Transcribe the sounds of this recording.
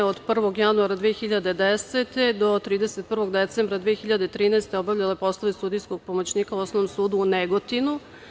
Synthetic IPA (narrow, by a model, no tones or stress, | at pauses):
od̪pr̩ʋo̞ɡjanuaɾad̪ʋiexiʎad̪e̞d̪eset̪e̞d̪o̞t̪ɾiːd̪eset̪̚pr̩ʋo̞ɡd̪et̪sembɾad̪vʋiːxiʎad̪eit̪ɾiːnɛest̪eobavʎʲalepo̞slˠoʋist̪ud̪ijsko̞ɡ̥̚pomot͡ɕniːkauosnoʋnomsuːd̪uːneɡo̞t̪inu